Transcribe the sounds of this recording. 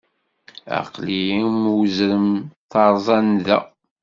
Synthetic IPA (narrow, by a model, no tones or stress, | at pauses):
a̰qliimwzɾəmθɑɾˤzˤɑnðæ̰